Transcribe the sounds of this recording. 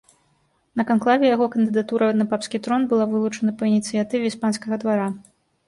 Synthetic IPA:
nɐkanklˠavʲɛjaɣɔkɐnd̪ɨd̪at̪uɾʔɐnɐpapskʲit̪ɾɔnbɨlˠavɨlˠut͡ʂɐnɐpɐinʲit̪sɨjat̪ɨvʲɛispanskɐɣɐd̪vaɾa

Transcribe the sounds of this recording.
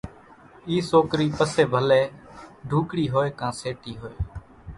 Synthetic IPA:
iːsoːkɾiːpəseːbʱəleːɖʱuːkɽiːɦoːeːkãːseːʈiːɦoːeː

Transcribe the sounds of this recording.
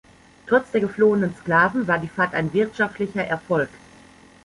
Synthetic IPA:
tʁ̥ɔt͡sd̥eːɐɡəfloːənənsklaːvn̩vaːɐdiːfaːɐtaɪnvɪɐtʃaftlɪçɐʔɛɐfɔlk

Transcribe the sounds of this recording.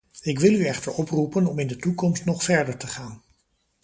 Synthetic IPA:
ɪkʋɪlˠyɛχtəɹɔprupənɔmɪndətukɔmstnɔχfɛɹdəɹtəχaːn

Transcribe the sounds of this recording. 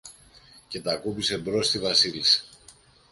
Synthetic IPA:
ce̞t̪ɐkupise̞bɾo̞st̪ivɐsilise̥

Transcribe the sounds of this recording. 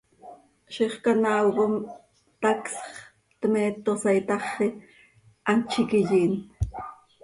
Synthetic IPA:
ʃiχkanawɢom | t̪aksχχ | t̪meːt̪osajt̪ɑχːe | ʔant͡ʃɪkɪʎiːn

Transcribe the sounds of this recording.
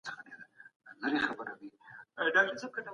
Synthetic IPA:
t͡sə̥xadedalaɾexabəɾawiɖɑk̚ʈəɾseb̚kəna

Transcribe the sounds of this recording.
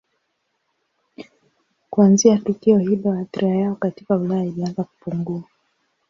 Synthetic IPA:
kuanziatukiɔhilɔhaθiɾajaɔkatikaulajailianzaku̥puŋɡua

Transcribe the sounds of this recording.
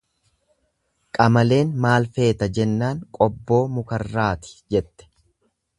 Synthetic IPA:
kʼɐmɐle̞ːnmaːlfe̞ːt̪ɐd͡ʒɛnːaːŋkʼɔbːo̞ːmʊkɐrːaːt̪ɪ̥d͡ʒɛt̪ːɛ̥

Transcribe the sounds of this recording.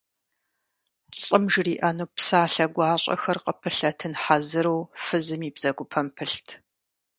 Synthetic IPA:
ɕʼɨmʒriːʔɐnuːpsaːɬɐɡʷɑːɕʼɐ̰xɐrqəpʰɨɬɐtʰɨnħazɨɾɐwfɨzɨmiːbz̥ɐɡʷʊpʰɐmpʰɨɬtʰ

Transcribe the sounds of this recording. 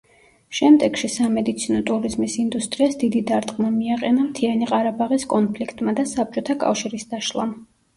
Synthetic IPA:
ʃɛmd̪ɛɡ̥ʃisamɛd̪it̪sʰinɔt̪ʼuɾizmisind̪ust̪ʼɾiasd̪id̪id̪aɾt̪ʼqʼmamiaqʼɛnamt̪ʰianiqʼaɾabaʁiskʼɔnpʰlikʰt̪ʼmad̪asap̚t͡ʃʼɔt̪ʰakʼa̰fʃiɾisd̪aʃlˠa̰m

